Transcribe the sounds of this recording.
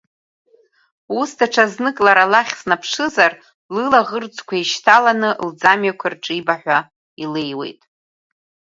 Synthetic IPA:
usdaʈ͡ʂʰaznɨkʼlaɾalaχʲsnapʰʂɨzar | lɨlaʁərd͡zʰʼkʷʰaiʃtʰalanɨld͡zamɥakʷʰarʈ͡ʂʼibaħᶣʷa | ilejwe̞̰jtʼ

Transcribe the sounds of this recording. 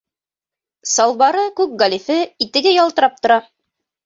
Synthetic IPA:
sɑlˠβɑɾɤkʉk̚ɡɑlʲifɘit̪ɘ̆ɡɘjɒlˠt̪ɤ̆ɾɑp̚t̪ŏɾɑ

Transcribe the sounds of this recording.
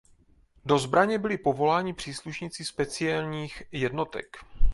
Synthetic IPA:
do̞zbɾaɲɛbɪlɪpo̞vo̞laːɲɪpr̥iːsluʃɲɪt͡sispɛt͡sɪɛlɲiːxjɛdno̞t̪ɛ̰k

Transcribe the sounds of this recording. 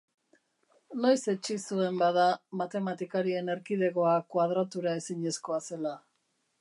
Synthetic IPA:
no̞jse̞t͡ʃisue̞mbaðamat̪e̞mat̪ikaɾie̞ne̞ɾkiðe̞ɣo̞akwaðɾat̪uɾae̞siɲe̞sko̞ase̞la

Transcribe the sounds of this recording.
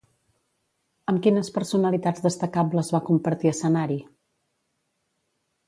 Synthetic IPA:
əmkinəspəɾsunəlit̪ad͡zðəst̪əkabləzβakumpəɾt̪iəsənaɾi

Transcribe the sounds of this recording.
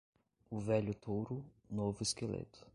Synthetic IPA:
ʊvɛʎʊt̪ʰowɾʊ | novʊeskelḛt̪ʊ̥

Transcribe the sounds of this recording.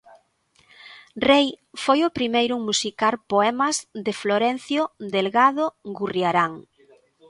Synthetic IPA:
rejfojʊpɾimejɾuŋmusikalpoɛmɐzðɪfloɾɛn̟θjod̪elɣaðoɡuriaɾaŋ

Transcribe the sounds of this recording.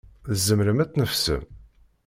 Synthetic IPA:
ðəzːəmɾəmæt͡sːnəfsə̰m

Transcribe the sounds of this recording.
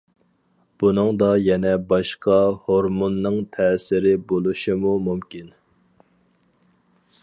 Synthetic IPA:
b̥unɨŋd̪ɑjɛnɛbɑʃqɑhoɾmonːɨŋt̪ʰɛːsɪɾɪbolˠuʃɪmumumkʲin

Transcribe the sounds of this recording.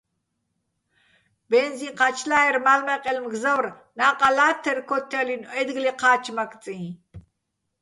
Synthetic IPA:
bɛnziqʰat͡ʃʰlaːɛɾmalmɛqʼɛlmɡzawr | naːqʼalaːt̪ʰɛrkʰɔt̪ʰːɛlinɛd̪ɡliqʰaːt͡ʃʰmak̪ʰt͡sʼĩ

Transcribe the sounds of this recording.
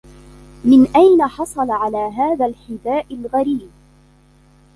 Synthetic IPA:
mɪnʔajnaħɑsˤɑlɑʕalaːɦaːðalħɪd̪aːʔɪlɣaɾiːb̚

